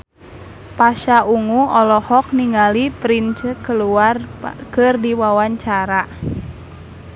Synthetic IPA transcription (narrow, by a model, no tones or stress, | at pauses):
paʃaʔuŋuɔlɔhɔk̚niŋalipɾint͡ʃəkəluarkɨrdiwawaɲt͡ʃaɾa